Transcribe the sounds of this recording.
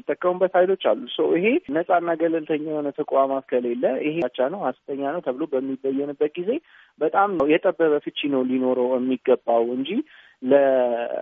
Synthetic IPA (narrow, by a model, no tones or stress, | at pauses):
it̪ʼːəkʼːəmubːət̪hajlo̞t͡ʃːa̰lːusəwiɦe̞nəsʼanːaɡəlɨlt̪ʰəɲːawonət̪ʰəkʼwamat̪kʰəle̞lːəʔɪhet͡ʃːanəwhast̪ʰəɲːanəwt̪ʰəβɨlobəmːibəjːɛnɨbːət̪̚ɡize̞ | bət̪ʼamwjɛt̪ʼəbːəβəfɨt͡ʃːinəwlino̞ɾəwjɛmːiɡːəbːawɨnd͡ʒi | lə